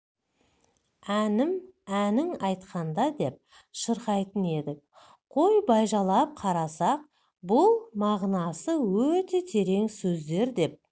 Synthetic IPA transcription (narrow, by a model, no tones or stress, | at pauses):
ænɪmænɪŋɑjt̪qɑnd̪ɑd̪e̞p̚ | ʃəɾqɑjt̪əne̞d̪ɪk̚ | qʰo̞jbɑjʒɑlˠɑp̚qʰɑɾɑsɑq̚ | bʊlˠmɑʁnɑsəwɵt̪e̞t̪ʲʰe̞ɾe̞ŋsɵzd̪e̞ɾd̪e̞p̚